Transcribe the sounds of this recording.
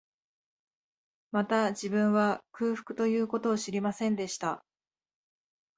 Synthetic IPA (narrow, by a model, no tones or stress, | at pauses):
mat̪ad͡ʑibɯ̟̃ɰ̃βakɯ̟ːɸɯ̟̥kɯ̟t̪o̞jɯ̟ːko̞t̪o̞ːɕiɾʲimasẽ̞nd̪e̞ɕi̥t̪a